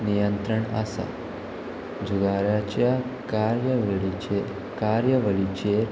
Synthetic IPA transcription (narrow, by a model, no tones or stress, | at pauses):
nijənt̪ɾəɳə̰sa̰ | d͡ʑuɡaɾjat͡ɕjakaɾjəʋɭie | kaɾjəʋəɭit͡ɕe